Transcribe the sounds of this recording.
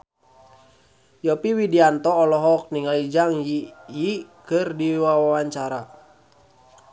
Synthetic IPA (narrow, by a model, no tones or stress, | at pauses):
jɔpiwidiant̪ɔːlɔɦɔk̚niŋalid͡ʒaŋjijikɨrdiwawawaɲt͡ʃaɾa